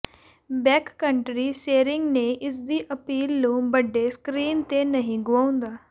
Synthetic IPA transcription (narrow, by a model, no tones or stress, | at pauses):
bɛkːəɳʈɾiseɾɪŋɡneʔɪsd̪iːʔəpiːlːũːbəɖʱːeskɾiːnt̪enəɦĩɡʋaũnd̪aː